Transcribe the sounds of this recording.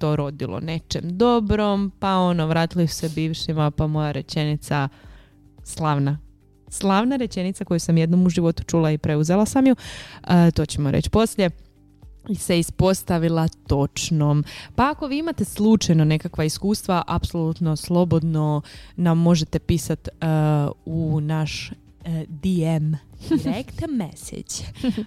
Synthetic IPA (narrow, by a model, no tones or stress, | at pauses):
t̪o̞ːɾo̞d̪ilˠo̰ne̞t͡ʃe̞md̪o̞bɾo̞mpao̞noʋɾaːt̪ilisu̥sebiːʋʃimapamo̞jaɾe̞t͡ʃe̞nit̪sa | slˠaʋna | slˠaʋnaɾe̞t͡ʃe̞nit̪sako̞jusamje̞d̪no̞muʒiʋo̞t̪u̥t͡ʃuːlaipɾe̞uzelasamjuət̪o̞ːt͡ɕemoɾḛt͡ɕpo̞sʎʲe̞ | iseispo̞st̪aʋilˠat̪o̞t͡ʃnompaako̞ʋiːimat̪e̞slˠut͡ʃajno̞ne̞kakʋaiskuːst̪ʋaʔapsolˠut̪no̞slˠo̞bo̞d̪no̞namːo̞ʒe̞t̪e̞piːsat̪ | unaʃ | d̪iemɾekt̪mesḛt͡ɕ